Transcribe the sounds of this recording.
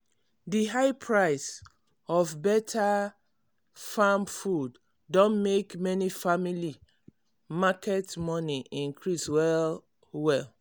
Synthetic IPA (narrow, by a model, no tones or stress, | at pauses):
diɦaɪpʰɹaɪs | ɔvbɛtʰa | famfudː | õnmekmɛnifamili | makɛtmɔniʔĩŋkʰɹiswɛl | wɛl